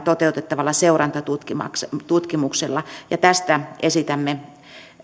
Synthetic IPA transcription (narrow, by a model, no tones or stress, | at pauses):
t̪ot̪eut̪et̪ːɑʋɑlːɑseurɑnt̪ɑt̪ut̪kimɑ̰kst̪ut̪kimukselːɑjɑt̪æst̪æesit̪æmːe